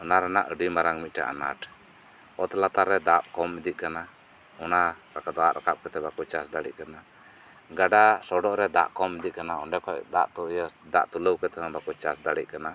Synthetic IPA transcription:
ɔnaɾɛna̰ʔəɖimaɾaŋmit̪̚ˀʈa̰ʔa̰na̰ʈ | ɔt̪lat̪aɾɛd̪ap̚kɔmid̪iʔ̚kana | ɔnakakad̪ɔaʔɾa̰kap̚kɛt̪ɛbakut͡ʃasd̪aɽḭʔ̚kana | ɡaɖasɔɖɔʔɾɛd̪a̰ʔkɔmɛd̪iʔ̚kanaɔnɖɛkɔʔd̪aʔt̪ujd̪a̰ʔt̪uləwkɛt̪ɛbakut͡ʃasd̪aɽḭʔ̚kana

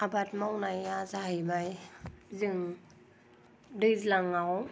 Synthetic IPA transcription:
abat̚mawnajazaɦajbajzɯŋ | dɯjzlaŋaw

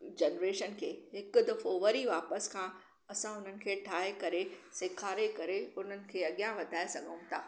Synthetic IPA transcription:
d͡ʑɐnɾeːʃənkʰeːɦɪkd̪ɐfoːʋəɾiʋaːpəskʰãː | ɐsãʊn̤ənɪ̆kʰeːʈʰaːɦekɐɾesɪkʰaːɾekɐɾeʊn̤ənɪ̆kʰeːɐɠjãʋɐd̪ʱaːesɐɡʱəũt̪ʰaː

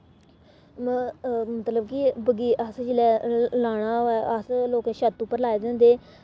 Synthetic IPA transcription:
mət̪ləbkibəɡiːʔəsd͡ʒɪlɛːlaːɽ̃aːɛʔəsloːkẽːʃət̪ːupəɾlaːeːd̪ẽːnd̪eː

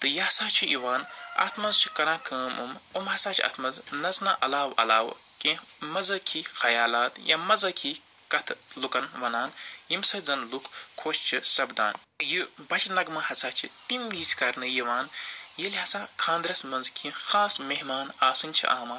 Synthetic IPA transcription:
t̪ɨjɐɐsaːt͡ʃʰiʔiʋaːnɐ̰t̪ʰmɐnzt͡ʃʰi̥kɐɾãːkʰɐːmumumɦɐsaːt͡ʃʰiɐ̰t̪ʰmɐznɐznaʔɐlaːwɐ̰laːʋ̰ | kẽ | mɐzɐkʰixɐjaːlaːt̪jamɐzɐkʰi | kɐt̪ʰlukɐnʋɐnaːnjimsɐd͡zɐnlukʰːoːʃt͡ʃʰisɐbd̪a̰ːn | jɨbɐt͡ʃnɐɡmɐhɐsaːt͡ʃʰit̪imʋiːsʲkɐɾnɨjiʋaːnjelʲɦɐsãːkʰãːnd̪ɾɐsmɐnzkʰĩxaːsmeɦmaːnaːsɨnʲt͡ʃʰḭʔa̰ːmɐ

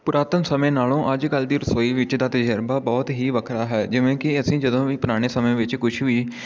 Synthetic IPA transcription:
pʊɾaːt̪ənsəmẽːnaːlõːʔəd͡ʒkəld̪iːɾəsɔːiːʋɪt͡ʃd̪aːt̪əd͡ʒəɾbaːbɔːt̪ɦiːʋəkʰɾaːɦɛːd͡ʒɪʋẽːkɪəsĩːd͡ʒəd̪õːʋiːpʊɾaːɽ̃eːsəmẽːʋɪt͡ʃkʊʃʰʋiː

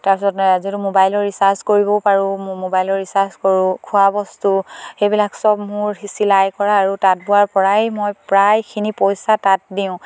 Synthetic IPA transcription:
taɹpisɔtzotumobajlɔɹɹisaɹskoɹibɔpaɹũmobajlɔɹisaɹskɔɹʊ̃kʰʊabɔstuxejbilaksɔbmʊɹhisilajkɔɹaːɹutat̚buwaɹpɔɹajmɔjpɹajkʰinipojsatat̚diʊ̃

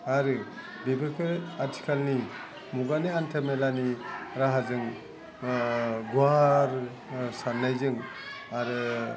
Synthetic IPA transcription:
aɾɯ | bebepʰeɾaɾtʰi̥kʰalni | muɡaniantʰemelaniɾaɦazɯŋ | ɡwaɾ | sanlajzɯŋ | aɾɯ

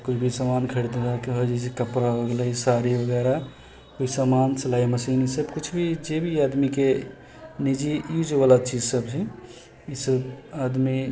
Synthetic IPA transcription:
kut͡ʃʰbʱisəmankʰəɽid̪ed̪akeɦod͡ʒesekəpɾaɦoɡlaisaɾibəɡɛɾa | koisəmansəlaiməsinisəbkut͡ʃʰbʱid͡ʒebʱiad̪mike | nid͡ʒijud͡ʒbalat͡ʃid͡ʒsəbt͡ʃʰɛ | isəbad̪mi

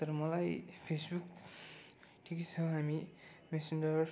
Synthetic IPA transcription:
t̪ʌɾmʌlajpʰesbuk | ʈʰikit͡sʰʌɦamimesind͡ʒʌr

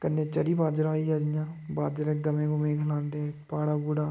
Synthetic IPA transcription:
kɐɾnet͡ʃɐɾibaːd͡ʒɾaːijaːd͡ʒijãːbaːd͡ʒɾeɡɐmẽkomẽːɡʰʱɐlaːnd̪eːpaːɽaɡuɽaː

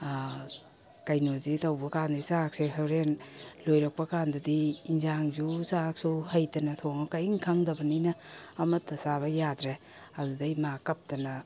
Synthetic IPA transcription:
kɐjnozitʰawbɐkandisak̚seɦawɾenlojɾɐk̚pɐkandɐdiːnzaŋzusak̚suhɐjtɐnɐtʰoŋɐkajiŋkʰaŋdɐbɐnijnɐːmɐtːɐsaβɐjadɾe | ɐdudajmakɐp̚tɐnɐ

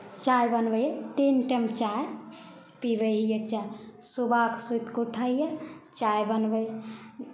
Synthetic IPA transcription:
t͡ʃajbənbəjt̪inʈəmt͡ʃaj | pibəjət͡ʃajsubʱaksujt̪kuʈʰaijət͡ʃajbənbəj

